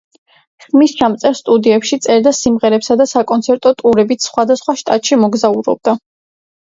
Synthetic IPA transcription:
smist͡ʃʰamt̪sʼɛɾst̪ʼud̪iɛpʃit̪sʼɛɾd̪asimʁɛɾɛpsad̪asakʼɔnt̪sʰɛɾt̪ʼɔt̪ʼuɾɛbit̪sʰχwad̪asχwaʃt̪ʼat̪ʼʃimɔɡzauɾɔ̰b̚d̪a

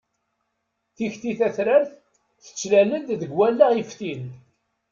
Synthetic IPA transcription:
θiçθiθæθɾæɾθ | θə̥t͡sːlælənd̪ðəɡwælːaʁifθin

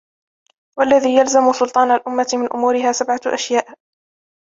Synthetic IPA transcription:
walːaðiːjalzamʊsʊlt̪ˤɑːnalʔʊmːat̪ɪmɪnʔʊmuːɾɪɦaːsabʕaʔa̰ʃjaːʔ

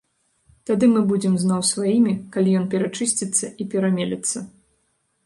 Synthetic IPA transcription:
t̪ad̪ɨmɨbud͡zʲɛmznawsvajimʲikalʲijɔnpʲɛɾat͡ʂɨsʲt͡sʲit̪sːɐʔipʲɛɾamʲelʲɛt̪sːɐ

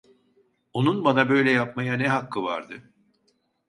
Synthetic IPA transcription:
onunbanabø̞jlʲɛjap̚majanɛɦakːɯva̰ɾd̪ɯ

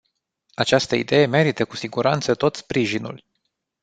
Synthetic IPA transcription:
at͡ʃast̪əḭd̪e̞je̞me̞ɾit̪əkusiɡuɾant̪sət̪o̞t̪spɾiʒinṵl

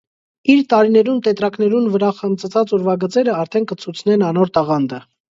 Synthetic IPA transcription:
iɾt̪ɑɾinɛɾunt̪ɛt̪ɾɑknɛɾunvəɾɑχəmt͡sət͡sʰɑt͡sɔɾvɑɡət͡sɛɾəɑɾt̪ʰɛnkət͡sʰut͡sʰn̪ɛnɑnɔɾt̪ɑʁɑnd̪ə

